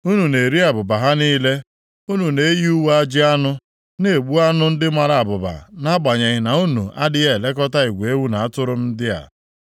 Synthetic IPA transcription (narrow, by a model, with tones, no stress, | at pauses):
u˦nu˨ne˨ɾi˦a˨bʊ˨ba˨ɦa˦niː˦le˦ | u˦nu˨ne˨˦ji˦u˦wa˦d͡ʒɪ˦a˦nʊ˦ | ne˨e˨ɡ͡bu˦a˦nʊ˦n̩˦dɪ˦ma˦ɾa˨a˨bʊ˨ba̰˨na˦ɡ͡ba˨ɲe˨ɣɪ˨na˨u˦nṵ˨ʔa̰˦dɪ˦ɣe˦e˨le˦k̬ɔ˦ta˦i˨ɡʷe˦wu˦na˨a˦tʊ˦ɾʊ˦m̩˦dɪ˦a̰˨